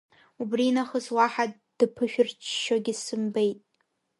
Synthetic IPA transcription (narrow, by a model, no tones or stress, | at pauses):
ubrinaχəzwaħa | d̥ɨpʰɨʃᶣʊrt͡ʃʰʃoɡʲɪsɨmbe̞jtʼ